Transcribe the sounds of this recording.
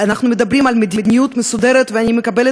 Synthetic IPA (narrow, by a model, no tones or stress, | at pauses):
anaχnumed̪abɾimalmed̪id̪nʲijut̪mesud̪eɾet̪veanʲimekabele